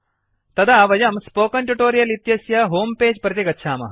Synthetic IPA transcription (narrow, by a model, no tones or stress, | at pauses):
t̪ɐd̪aːʋɐjɐmspoːkɐɳʈuʈoːɾijɐlit̪jɐsjɐɦoːmpeːd͡ʒpɾɐt̪iɡɐtːʃʰaːmɐ̰